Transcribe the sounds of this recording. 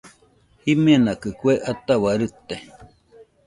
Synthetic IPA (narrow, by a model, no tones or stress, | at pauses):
himanakɨkweʔat̪awaɾɨt̪e